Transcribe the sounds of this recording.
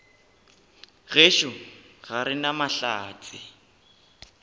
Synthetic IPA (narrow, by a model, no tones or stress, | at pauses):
ɣeʃʊɣ̥aɾɪnamaɬaːt͡sʼɪ